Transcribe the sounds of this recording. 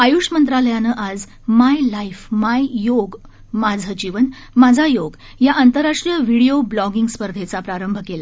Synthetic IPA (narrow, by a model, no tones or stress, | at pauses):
ajuʂmənt̪ɾaləjanəʔad͡z | majlaifmajjoɡ | mad͡zʱəd͡ʑiʋən | mad͡zʱajoɡ | jaʔant̪əɾːaʂʈɾijəʋiɽijoblɔɡiŋɡspəɾd̪ʱet͡sapɾaɾəmbʱkela